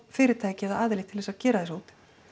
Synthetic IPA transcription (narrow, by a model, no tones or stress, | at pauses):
fɪːɾɪɾ̥t̪ʰaːjcɛðaaːðɪlɪt̪ʰɪlvɛsacɛːɾaðɛsoːwt̪ɪ̥